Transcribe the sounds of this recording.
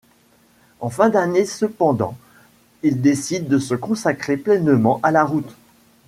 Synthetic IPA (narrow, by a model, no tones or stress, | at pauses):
ɑ̃fɛ̃d̪anesəpɑ̃d̪ɑ̰̃ | ild̪esid̪ːəsəkɔ̃sakχeplɛnmɑ̃ʔalaʁut̪